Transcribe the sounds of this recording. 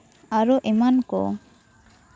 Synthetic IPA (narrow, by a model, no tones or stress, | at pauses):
aɾɔʔɛmankɔ̰